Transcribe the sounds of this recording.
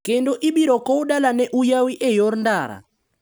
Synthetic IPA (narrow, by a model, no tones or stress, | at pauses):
kɛndɔʔiɓiɾɔkɔuɗalanɛʔujawiʔɛjɔɾndaːɾa̰